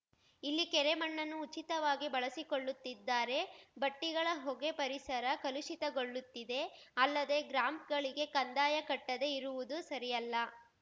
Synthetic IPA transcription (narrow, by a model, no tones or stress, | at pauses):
ilːikɛɾemɐɳːɐnːuːt͡ʃit̪ɐʋaːɡibɐɭɐsiko̞ɭːut̪ːid̪ːaːɾe̞bɐʈːiɡɐɭɐɦɔɡe̞pɐɾisɐɾɐkɐluʃit̪ɐɡo̞ɭːut̪ːid̪e̞ɐlːɐd̪e̞ɡɾaːmpɡɐɭiɡe̞kɐnd̪aːjɐkɐʈːɐd̪e̞iɾuʋud̪usɐɾijɐlːɐ